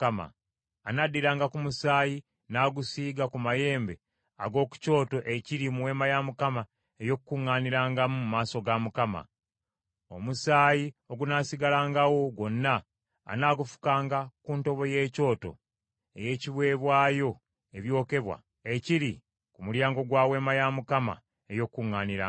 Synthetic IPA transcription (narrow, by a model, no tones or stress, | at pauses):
kama̰ː | nadːiɾaːŋɡakumusaːji | naːɡusiːɡakumaje̞ːmbe̞̰ | a̰ɡo̞ːku̥co̞ːto̞ʔe̞ciɾimuwe̞ːmajamukama | e̞jo̞kukːuŋːaːniɾaːŋɡamumumaːso̞ɡamukama̰ | o̞musaːjio̞ɡunaːsiɡalaːŋɡawo̞ɡo̞nːa̰ː | naːɡufu̥kaːŋɡakuːnto̞βo̞je̞ːco̞ːto̞̰ | e̞̰je̞ːciβwe̞ːβwaːjo̞ | eβjo̞ːke̞βwa̰ | eciɾi | kumuljaːŋɡo̞ɡwaːwe̞ːmajamukama̰ | ejo̞kkːuŋːaːniɾa̰